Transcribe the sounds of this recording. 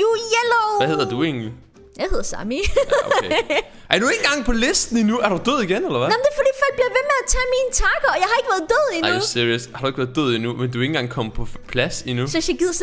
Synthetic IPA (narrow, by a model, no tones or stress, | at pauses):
jujeloʋæhe̝ð̰ˠɐd̥ue̝̰ːn̩li | jɑ̈ɪhe̝ð̞̰ˠɐsɑ̰mi | æɐdue̝ŋn̩ɡɑ̈ŋpʰɒ̽le̝sd̥n̩inuæɐɾud̥øð̞̰ˠiɡ̥enelɐʋæɑmn̩d̥e̝fɔd̥ḭːfɒ̽l̰ɡ̚b̥liɐʋe̝meæt͡sʰɛmiːnt͡sʰɑ̈ɡ̥ɐɒ̽jɑ̈ɪhɑ̈e̝ɡ̥ʋæɐðˠd̥øð̰ˠinusiɐjəshɑɾ̥ue̝ɡ̥ʋæɐðˠd̥øð̰ˠinumend̥ue̝ŋnŋ̩ɡ̥ɑ̈ŋ̰kʰɒ̽mpʰɒ̽pʰlæsinusɒsaɡ̥iðˠɐs